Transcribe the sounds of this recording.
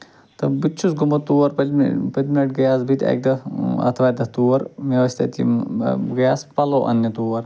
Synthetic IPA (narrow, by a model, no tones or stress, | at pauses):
t̪ɐbit͡ʃʰusɡumɐt̪ːuːɐɾpɐpɐt̪minɐʈɡjaːsbit̪ʲḛk̚d̪ɐɐ̰t̪ʰʋaːd̪ɐt̪uːʋɐɾʋjɐʋɐsʲt̪ʰɐt̪ḭɡɐjaːspɐloːʔɐ̰njɐt̪uːʋɐɾ